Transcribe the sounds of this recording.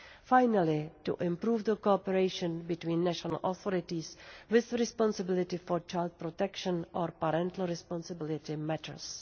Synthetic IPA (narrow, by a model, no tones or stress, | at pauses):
fajnalɪt̪ṵʔɪ̃mpɾuːfd̪əkopɛɾeɪʃə̃nbɪt̪wĩːnːɛʃɔna̰lʔoθɔɾɪt̪iswɪðəɾɛspɔ̃nsɪbɪlɪt̪ɪfoɾt͡ʃajlt̪̚pɾot̪ɛkʃə̃nʔoɾpaɾɛ̃nt̪l̩ɾɛspɔ̃nsɪbɪlɪt̪ɪmɛt̪ʰə̰ɾs